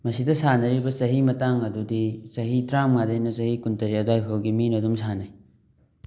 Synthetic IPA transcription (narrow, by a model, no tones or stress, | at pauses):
mɐsidɐsanɐɾibɐsɐɦimɐtaŋɐdudisɐɦitɾamŋadɐjnɐsɐhikuntɐɾiɐdajpʰowɡiminɐdumsanaj